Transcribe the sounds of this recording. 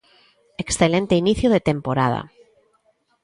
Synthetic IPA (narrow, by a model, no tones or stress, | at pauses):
eksθelent̪einiθjoð̞et̪empoɾað̞a̰